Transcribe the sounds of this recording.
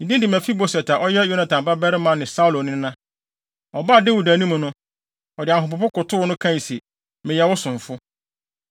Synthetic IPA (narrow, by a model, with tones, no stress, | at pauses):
nĩ˨dĩ˦dɪ˨mæ̃˨fi˦bo˨sɛ˨tʰa˨ʔɔ˦jɛ˦jo˦nã˨tʰã˨m˨ba˦bɛ˦ɾɪ˦mã˨nɪ̃˨sa˦u˦˨lo˨nɪ̃˦nã˦ | ɔ˨ba˦˨dɪ˦wu˨da˨nĩ˦mũ˨nʊ̃˦ | ɔ˨dɪ˨a˨ɦʊ˨pʊ˨pʊ˦kʊ˨tʰʊ˦nʊ̃˦kʰã˦n˨si˨ | mɪ̃˨jɛ˨wʊ˦sʊ̃˨ɱ˨fʊ˦